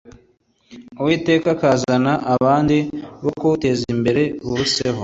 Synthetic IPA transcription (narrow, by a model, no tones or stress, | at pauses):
uwiːte̞ːkakaːzanaʔaβaːndiβokuute̞zimbe̞ɾe̞βuuse̞ho